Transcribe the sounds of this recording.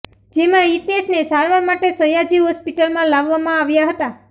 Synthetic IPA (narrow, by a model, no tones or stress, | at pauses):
d͡ʒemãit̪asnesaɾʋaɾmaʈesəjad͡ʒiɦɔspiʈəlmãlaʋːamãaʋjaɦət̪a